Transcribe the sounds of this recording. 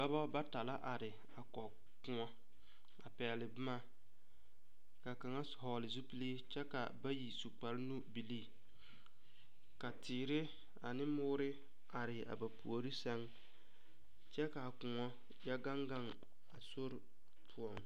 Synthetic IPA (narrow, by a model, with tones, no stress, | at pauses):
ba˦ba˦ba˦ta˨la˦ʔa˨ɾɪ˨ | a˨kɔ˨ | kʊ˨ŋɔ˦ | a˨pɛː˨lɪ˨bɪ˦ma˦ | ka˨ka˨ŋa˦˨hɔː˨lɪ˨zu˦pi˦liː˦t͡ʃɛ˦ka˨ba˦ji˨su˨k͡pa˨ɾɪ˦nu˦bi˨liː˦˨ | ka˨tʰɪː˨ɾɪ˦ | a˨nɪ˦mʊː˦ɾɪ˦ | a˨ɾɪ˨a̰˨ba˨pu˨o˨ɾɪ˦sɛ˦ŋ | t͡ʃɛ˦ka˨kʊ˨ŋɔ˦ | ja˦ɡa˦ŋɡa˦ŋ | a˨so˦ɾ | pʰu˦ɔ˨ŋ